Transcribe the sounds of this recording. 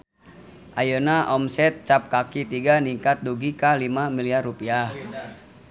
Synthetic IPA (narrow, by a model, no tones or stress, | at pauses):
ʔajənaʔɔmsɛt̪̚t͡ʃap̚kakit̪iɡaniŋkat̪̚duɡikalimamiliarrupiah